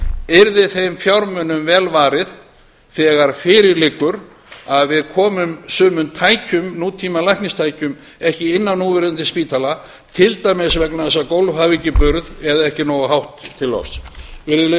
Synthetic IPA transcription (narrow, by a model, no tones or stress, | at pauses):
ɛɾðɪθejmfjawɾmœnːʏmvɛːlvaːɾɪð | θɛːɣaɾ̥fɪɾɪɾlɪkːʏɾ | aðvɪðkʰɔːmʏmsʏːmʏnt̪ʰaːjcʏmnuːt̪ʰiːmalajhknɪst̪ʰaːjcʏm | ɛhcɪɪnːanːuːvɪɾðʏnt̪ɪspiːt̪ʰala | t̪ʰɪlt̪ajmɪsvɛknaðɛsːakowlvhaviːcɪpʏɾðɛðaɛhcɪnɔːwɣaɦawht̪ʰːɪlːɔ̰fsvɪɾɪlɪ